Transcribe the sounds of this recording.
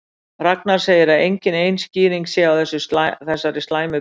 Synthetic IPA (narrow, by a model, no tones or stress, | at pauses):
raknaɾ̥seːjɪɾaðejɲcɪnejnsciːɾiŋksjɛawθɛsːʏsθɛsːaɾɪst̪laːjmʏ